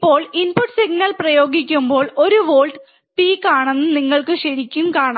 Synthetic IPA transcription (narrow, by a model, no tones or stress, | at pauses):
ipːo̞ːɭinpuʈːsiɡ̚nɐlprɐjo̞ːɡikʲːumbo̞ːɭo̞ɾuʋo̞ːlʈɨ | piːkːaːɳenːɨniŋːɐɭkɨɕɐɾikʲːumkaːɳa